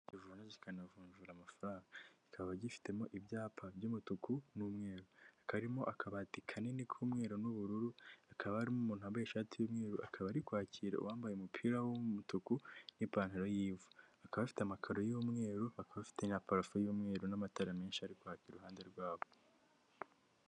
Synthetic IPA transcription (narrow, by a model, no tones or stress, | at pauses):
ɟivuːnazikanavuːɲʒuɾamafaɾaːŋɡaikʰaββaɟifi̥te̞mo̞ʔibjaːpʰabjuːmutukunuːmŋe̞ːɾoakaɾimo̞ʔakʰaβatikʰanenikʰuːmŋe̞ːɾonuβuɾuɾuakʰaβahaɾimomuːn̥huambajeʃaːtijuːmŋe̞ːɾuʔakʰaβaɾikwaːciːɾa̰ṵwaːmbajeumupʰiːɾawomutukunipaːn̥iɾojiːvuakaβafi̥tamakʰaɾo̞juːmŋe̞ːɾuakaβafi̥te̞napaɾafojuːmŋe̞ːɾonamataɾameːnʃiaɾikwaːciːɾeɾuɦaːnde̞ɾɡwaːβo